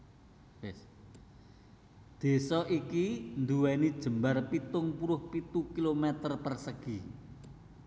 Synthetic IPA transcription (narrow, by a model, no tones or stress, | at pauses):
wes | d̪̥e̤sɔʔikind̪uwɛnid̥ʒ̥ə̤mbarpit̪ʊŋpuɾʊhpit̪ukilomɛt̪ərpərsəɡ̥i